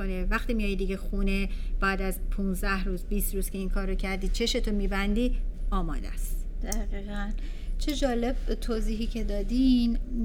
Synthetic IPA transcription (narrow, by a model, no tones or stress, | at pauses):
onevæxt̪iːmijɒːjd̪iːɟexuːneb̥æːd̪æzpʰũːnzd̪æhɾuːzbiːst̪ɾuːz̥kʰʲe̞iŋkʰɒːɾːocʰæɾd̪iːt͡ʃʰe̞ʃe̞t̪ʰomiːbænd̪iːɒːmɒ̰ːd̪æ̰st̪d̪̥æɣiːɣæn | t͡ʃʰe̞d͡ʒɒːle̞b̥̚t̪ʰoːziːɦiːcʰe̞d̪ɒːd̪in